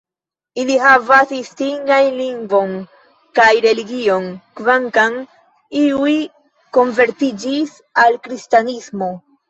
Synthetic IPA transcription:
iliɦavasistiŋɡajliŋɡvo̞n | kajɾe̞liɡio̞nkvaŋkan | iuj | ko̞nve̞ɾtid͡ʒis | alkɾistanismo̞

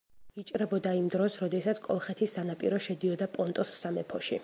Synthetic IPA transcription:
it͡ʃʼɾɛbɔd̪aimd̪ɾɔsɾɔd̪ɛsat̪sʰkʼɔ̰lˠχɛt̪ʰisːanapʼḭɾɔʃɛd̪iɔd̪apʼɔnt̪ʼɔsːamɛpʰɔʃi

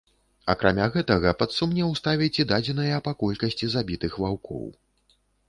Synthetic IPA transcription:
ɐkɾamʲaɣɛt̪ɐɣɐpɐt̪sumnʲɛwst̪avʲit͡sʲɛd̪ad͡zʲɛn̪ɨjɐpakɔlʲkɐsʲt͡sʲizabʲit̪ɨxvawkɔ̰w

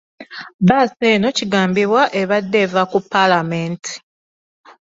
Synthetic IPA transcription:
βaːseːno̞ciɡaːmbiβwaʔe̞βadːe̞vakupːalameːnti̥

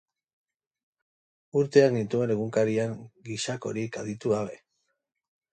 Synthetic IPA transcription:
uɾt̪e̞aknit̪ue̞ne̞ɣuŋkaɾiaŋɡiʃako̞̰ɾika̰ðit̪uɣaβe̞

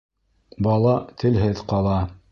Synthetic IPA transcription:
bɑlˠɑt̪ʰɘ̆lɦɘðqɑlˠɑ

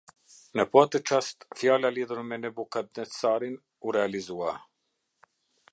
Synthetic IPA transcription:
nəpɔt̪ət͡ʃast̪fjalaliðuɾmɛnɛbukad̪nɛsaɾin | uɾɛalizua

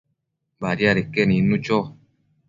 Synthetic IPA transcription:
baɾjaɾekːeninːut͡ʃo

